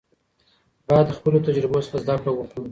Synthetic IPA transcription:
bɑd̪ːəxpəlot̪ad͡ʒɾɪbosə̥ɾazd̪akɽawəxɽu

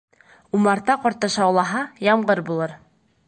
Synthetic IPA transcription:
umɑɾt̪ɑqɒɾt̪ɤʃɑwlˠɑɦɑjɑmɢɤɾbulˠɤɾ

